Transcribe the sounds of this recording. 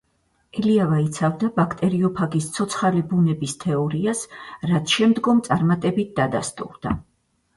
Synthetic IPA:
ɛliavait̪sʰavd̪abakʰt̪ʼɛɾiɔpʰaɡist̪sʰɔt̪sʰχalibunɛbist̪ʰɛɔɾiasɾat̪sʰʃɛmd̪ɡɔmt̪sʼaɾmat̪ʼɛbit̪̚ʰd̪ad̪a̰st̪ʼṵɾd̪̥a

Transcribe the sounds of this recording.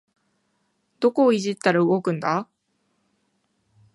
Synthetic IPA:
d̪̥o̞ko̞ːiʑit̪ːaɾaɯ̟ɡo̞kɯ̟̃nd̪a

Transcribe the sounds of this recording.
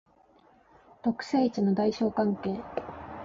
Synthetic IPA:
t̪o̞kɯ̟̥seːit͡ɕino̞d̪aiɕo̞ːkãŋke̞ː

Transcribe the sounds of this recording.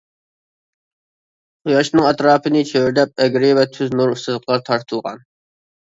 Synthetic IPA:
qujɑʃnɨŋɛt̪ɾɑːpʰɨnɪt͡ʃʰewyɾd̪ɛp̚ɛɡʲɾɪvɛt̪ʰyznuɾust̪ɨzq̪ʰlɑt̪ʰɑɾt̪ʰɨlˠʁɑ̰n

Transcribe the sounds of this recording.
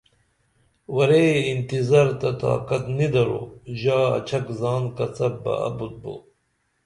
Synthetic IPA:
wɐɾeːint̪izaɾt̪ɐt̪a̰ːkɐt̪nid̪ɐɾo̰ːʑaːɐ̰t͡ɕʰɐkzaːnkɐt͡sɐbbɐ̰ɐ̰but̪̚bo̰ː

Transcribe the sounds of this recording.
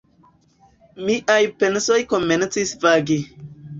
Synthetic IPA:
miʔajpenso̞jko̞me̞nt͡sisvaɡi

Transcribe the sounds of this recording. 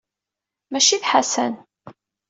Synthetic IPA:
mæʃiθħasæ̰n

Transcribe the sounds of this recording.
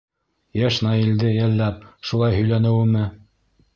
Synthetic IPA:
jæʃnɑild̪ɘjælːæp̚ʃulˠɑjɦɵ̆jlænɘ̆wɘmɘ

